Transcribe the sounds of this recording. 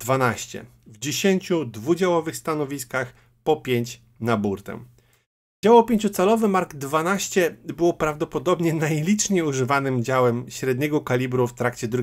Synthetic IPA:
d̪̥vanaɕt͡ɕɛ̰ | vd͡ʑeɕeɲt͡ɕud̪vud͡ʑawɔvɘxst̪anɔvʲiskax | pɔpʲjeɲt͡ɕ | nabuɾt̪ɛ̰m | d͡ʑawɔpʲeɲʲt͡ɕut̪sɛlɔvɘmaɾɡd̪vanaɕt͡ɕɛbɘwpɾavd̪ɔpɔd̪ɔbɲɛnajlʲit͡ʂɲejuʐɘvanɘmd͡ʑawɛmɕɾɛd̪ɲɛɡɔkalʲibɾuft̪ɾakt͡ɕɛd̪ɾu

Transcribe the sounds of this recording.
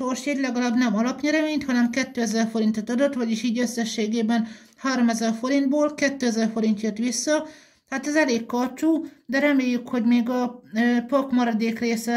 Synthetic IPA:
ʃorʃjɛɟlɛɡɒlaːbnɛmɒlɒpɲɛɾɛmeːɲt̪hɒnɛmkɛt̪ːøːɛzɛrfo̞ɾint̪ot̪ɒd̪ot̪ʋɒɟiʃiːɟø̞sːɛʃːeːɡeːbɛn | haːɾo̞mɛzɛrfo̞ɾind̪boːlkɛt̪ːøːɛzɛrfo̞ɾint̪jøt̪ʋisːɒ | t̪ɦat̪ɛzɛleːkːɒt͡ʃuːd̪ɛɾɛmeːjːykho̞ɟmeːɡɒøpokmɒɾɒd̪eːkreːsɛ

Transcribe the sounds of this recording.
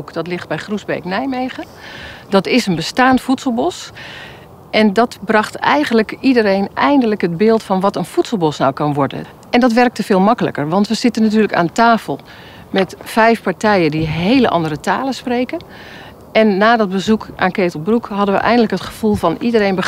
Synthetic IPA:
ukdɔtlɪχt̚bɛjχruzbḛjknɛjmejχə | d̥ɑtɪsənbəstaːntfutsəl̩ˠbɔs | ʔɛndɑtbrɑχtɛ̰jɣənləkidəɾejnʔɛjndələkɦədbɪːlˠtfɑnʋɑtənfutsəl̩ˠbɔsnawkɑnʋɔɹdə̰n | ʔɛndɑtʋɛrk̚təvɪːlˠmɑkələ̰kərʋɑntʋəz̥ɪtənat̬yːrləka̰ːntaːfəlˠ | mɛtfɛjfpaɹtɛjəndiɦejləʔɑ̰ndərətaːləsprejkə | ɛnːaːdɔt̚bəzukʔa̰ːnkeːtəl̩ˠbrukɦɑdənʋə̰ʔɛ̰jndələkɦətχə̥v̥ulˠvɑnidərejnbə

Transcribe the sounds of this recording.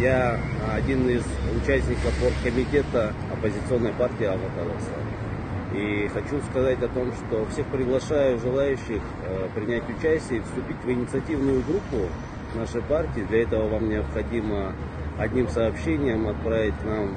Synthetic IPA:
jaɐdʲinɪzʊt͡ɕæsʲnʲɪkəfport̪kəmʲɪtʲe̞t̪ə | ɐpəzʲɪt̪sɨo̞nːəjpartʲɪiɐvɐt̪ad̪ə̰sə̰ | ixɐt͡ɕuskɐzatʲɐt̪o̞mʂt̪o̞fsʲe̞xpɾʲɪɡlˠɐʂajʊʐɨlˠajʉɕːɪx | pɾʲɪnʲætʲʊt͡ɕæsʲtʲɪjəifst̪ʊpʲitʲvɪnʲɪt̪sɨɐtʲivnʊjʊɡɾupːʊ | naʂəjpartʲɪːd̪lʲɐɛt̪əvəvamnʲɪəpxɐdʲimə | ɐdʲnʲimsɐːpɕenʲɪjəmɐt̪̚pɾavʲɪt̚ʲnam

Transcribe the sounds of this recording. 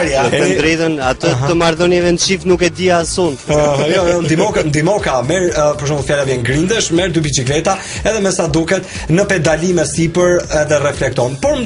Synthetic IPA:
ɾjaɛnd̪ɾɛðɔnat̪ət̪əmaɾðɔniɛvɛnʃifnukɛd̪iasɔnjɔjɔnd̪imɔknd̪imɔkamɛɾpɔɾʃ̬ɔ̃mfjalavjɛnɡɾind̪ɛʃmɛɾd̪ybit͡ʃiklɛt̪a | ɛðɛmɛsad̪ukɛt̪ | nəpɛd̪alimɛsipəɾɛðɛrɛflɛk̚t̪ɔnpɔɾm

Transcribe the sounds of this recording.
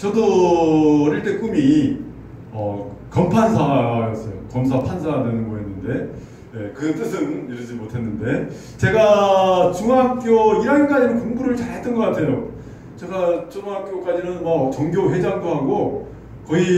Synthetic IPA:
t͡ɕʌdo | ɾeɭt͈e̞k͈umi | ʌ | kʌmpʰansʰajʌs͈ʌjo̰kʌmsʰapʰansʰadwenɯnɡʌɦenːɯnde̞ | je̞kɯt͈ɯsʰɯniɾʌd͡ʑimotʰe̞nːɯnde̞ | t͡ɕe̞ɡat͡ɕuŋɦak̚k͈joiɾʌɡink͈ad͡ʑinɯnkoŋbuɾɯɭt͡ɕaɭɦet͈ʌnɡʌk͈atʰe̞jo | t͡ɕe̞ɡat͡ɕuŋɦak̚k͈jok͈ad͡ʑinɯnmak̚t͡ɕʌŋɡjoɸwe̞d͡ʑaŋdoɦaɡo | kʌi

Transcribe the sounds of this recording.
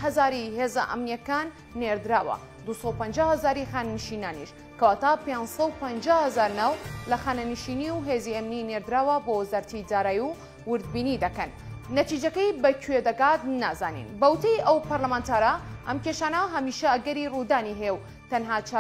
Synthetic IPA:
ɦɐzaːɾiɦeːzɐ̰ʔɐ̰mnijɐkaːnː | eɾd̪ɨɾaːwɐ̰ | d̪usɐwpɐnd͡ʒawhɐzaːɾixaːnɐnɨʃinaːniʃ | kɐwaːt̪apensɐwpɐnd͡ʒaːhɐzaːɾnawlɐxaːnɐnɨʃiniwɦeːziɐmnineɾd̪ɨɾaːwɐbowzaɾt̪id̪aːɾaːju | wɨɾd̪̚biːnid̪ɐkɐnːɐt̪iːd͡ʒɐkɐjbɐkʰwed̪ɐɡaːt̪naːza̰ːnḭnbɐwt̪ɐjʔɐwpɐɾlɐmaːnt̪ʰaːɾɐʔɐmkeʃaːnɐɦɐmiːʃɐɐɡɐɾirud̪aːniɦeew | t̪ɐnɦaːt͡ʃa

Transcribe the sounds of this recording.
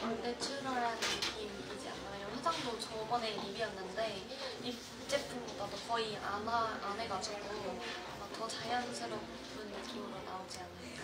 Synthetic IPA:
kɾʌndet͡ɕʰuɾʌɾannɯk͈im | id͡ʑia̰nmajʌɦed͡ʑʰaŋdot͡ɕʌbʌne̞imiʌnːɯnde̞ | i | t͡ɕ͈ep͈ʰuŋɡodadokʌia̰naane̞ɡad͡ʑoɡu | tʌt͡ɕajʌnsʰeɾo | pʰɯnːɯk͈imɯɾonaod͡ʑianːɯn͈a

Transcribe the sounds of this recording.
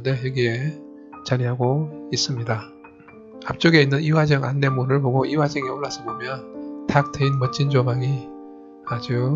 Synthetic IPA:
nde̞jʌɡie̞ | t͡ɕaɾiɦaɡois͈ɯmɲida | ap̚t͡ɕ͈oɡe̞inːɯniwad͡ʑʌŋa̰nːe̞munɯɭboɡoʔiwad͡ʑʌŋeoɭːasʰʌbomjʌntʰak̚tʰeinmʌt͡ɕ͈ʰind͡ʑomaŋi | ad͡ʑu

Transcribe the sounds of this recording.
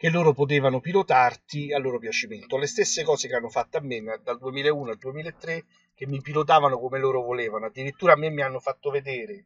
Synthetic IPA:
k̟elːoːɾopot̪̬eːvanʊpilot̪art̪ialːoːɾopjat͡ʃiment̪olest̪esːekɔːsekeanːofat̪ːeamːend̪ald̪uemiːlaeuːnoald̪uemiːlaet̪ːɾe | k̟emːipilot̪̬aːvanokomeloːɾovoleːvanoad̪ːiɾit̪ːuːɾamːemːianːofat̪ːoved̪eːɾe

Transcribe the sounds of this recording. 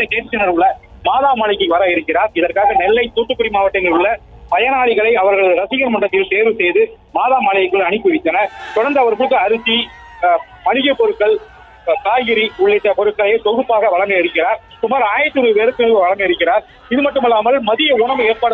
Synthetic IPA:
ɐkeːʈt͡ʃːɐnɐɾʋɯɭɐ | maːðaːmaːɭɪkːɯʋɐɾaɪɾɯkːɪɾaːɾɪðɐrkaːɣɐnɛlːɐɪt̪uːʈːɯkːʊɽimaːʋɐʈːɐŋɡɐɭɯɭːɐ | pɐjɐnaːɭɪɣɐɭɐɪɐʋɐɾɣɐɭɯðɾɐsɪɣɐnmɐɳrɐt̪ːɪlseːɾʋɯsɛjðɯ | maːðaːmaːɭɐjɐkːɯɭɐɳɯkːɯʋɪt̪ːɐnɐt̪ɔɽɐɾnd̪ɐːʋɐɾkɯɭɯkːɯɐɾɯsi | mɐɻɪɣɐpɔɾɯkːɐɭ | k̪aːɣɪɾiʊɭɐɪʈːɐpɔɾɯkːɐɭɐjeːt̪ɔɣɯpːaːɣɐʋɐɭɐmɡɐɪɾɯkːɪraːɾ | sʊmːaːɾaːjɪɾɐt̪ːɯnuːɾɯpeːɾɯkːɯnʋɯʋɐɭɐmbɐɪɾɯkːɪɾaːɾ | ɪðɯmɐʈːɯmɪlːaːmɐlmɐðɪjɐʊɳɐʋeːrpaːɽ

